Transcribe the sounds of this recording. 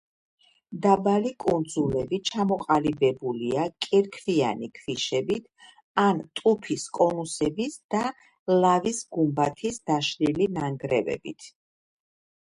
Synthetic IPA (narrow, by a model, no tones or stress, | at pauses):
d̪abalikʼund̪zulɛbit͡ʃʰamɔqʼalibɛbuliakʼɛɾkʰvia̰nikʰviʃɛbit̪ʰ | ant̪ʼupʰiskʼɔnusɛbisd̪̥a | lavisɡumbat̪ʰisd̪̥aʃlilinaŋɡɾɛvɛ̰bḭt̪ʰ